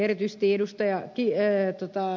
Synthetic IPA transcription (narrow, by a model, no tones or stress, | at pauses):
erit̪yist̪iedust̪ɑjɑkit̪ot̪ɑ